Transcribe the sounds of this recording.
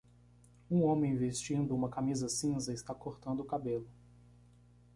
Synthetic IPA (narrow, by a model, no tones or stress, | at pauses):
ũõmẽj̃vest͡ʃĩnd̪ʊũmɐkamizɐsĩzɐɪst̪akoɾt̪ɐ̃nd̪ʊːkabelʊ